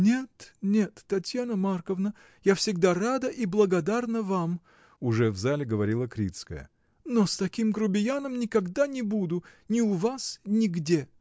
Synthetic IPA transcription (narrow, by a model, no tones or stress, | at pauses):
nʲet̪nʲet̪ːɐtʲjanəmarkəvnə | jafsʲɪɡ̚d̪arad̪əʔiblˠəɡɐd̪arnəvam | ʊʐɛvzalʲɪɡəvɐɾʲilˠəkɾʲit̪skə̰jə̰ | nost̪ɐkʲimɡɾʊbʲɪjanəmnʲɪkɐɡd̪anʲɪbud̪ʊnʲɪʊvasnʲɪɡdʲe